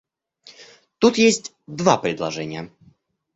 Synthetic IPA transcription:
t̪ut̪jesʲtʲ | d̪vapɾʲɪd̪lˠɐʐɛnʲɪjə

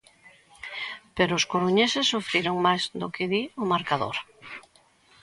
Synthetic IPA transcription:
peɾoʊskoɾuɲesesːufɾiɾoŋmajzd̪okɪðiomaɾkaðo̰ɾ

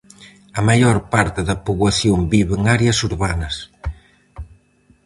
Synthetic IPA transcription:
ɐmajoɾpaɾt̪ɪðɐpoβɐθjombiβeŋaɾjɐsuɾβanɐs

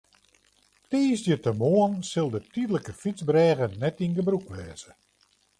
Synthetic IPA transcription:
teːsdjətəmoənsɪlˠdətidələkəfit͡sbrɛːɣənɛtinɡəbrukʋɛːz̥ə

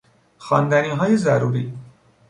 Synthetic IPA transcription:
xɑːnd̪æniɦɔːjezaɾuːɾiː

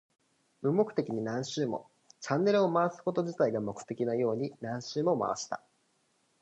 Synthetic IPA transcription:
ɯ̟mːo̞kɯ̟̥t̪e̞kʲiɲ̟inãɰ̃ɕɨːmo̞̰ | t͡ɕãnːe̞ɾɯ̟o̞maasɨ̥ko̞t̪o̞d͡ʑit̪aiɡamo̞kɯ̟̥t̪e̞kʲinajo̞ːɲ̟inãɰ̃ɕɨːmo̞ma̰βa̰ɕi̥t̪a̰

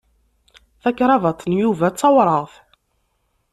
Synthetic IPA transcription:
θækːɾˤɑvɑt̪ˤːnjuvæt͡sːɑwɾˤəʁθ

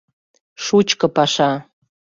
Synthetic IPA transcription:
ʂut͡ɕkɤ̆pɑʃɑ

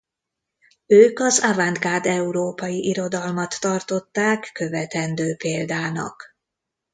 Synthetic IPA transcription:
øːkɒzavand̪ɡaːd̪ɛuɾoːpɒjiʔiɾo̞d̪ɒlmɒt̪ːɒrt̪o̞t̪ːaːkːø̞vɛt̪ɛnd̪øːpeːld̪aːnɒ̰k

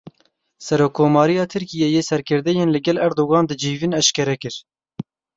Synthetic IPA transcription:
sɛɾoːkʰːoːmɑːɾijɑːt̪ʰɨɾkijejeːsɛɾkʰɨɾd̪ɛjeːnlɨɡɛlɛɾd̪oːɣɑːnd̪ɨd͡ʒiːvinɛʃkɛɾɛkɨɾ

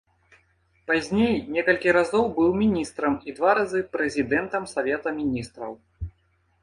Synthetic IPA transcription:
pazʲnʲejnʲɛkɐlʲkʲiɾazɔwbɨwmʲinʲist̪ɾɐmid̪vaɾazɨpɾɛzʲid̪ɛnt̪ɐmsavʲɛt̪ɐmʲinʲist̪ɾɐw

